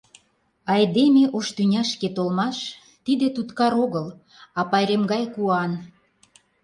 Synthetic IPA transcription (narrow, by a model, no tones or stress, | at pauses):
ɑjd̪emeʔoʃt̪ynʲɑʃket̪olmɑʃ | t̪id̪et̪ut̪kɑɾoɣəl | ɑpɑjɾemɡɑjkuɑn